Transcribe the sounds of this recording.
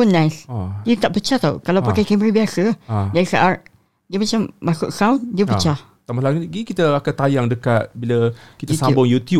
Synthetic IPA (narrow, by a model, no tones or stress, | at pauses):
punːajsdiət̪aʔpət͡ʃaht̪awkalawpakajkaməɾibiasəd͡ʒaɾisaʔar | diəmat͡ʃamːasʊʔsawndiəpət͡ʃah | t̪amalaɡuɡikit̪əakat̪ajaŋdəkat̪̚biləkit̪sabʊŋjut̪ju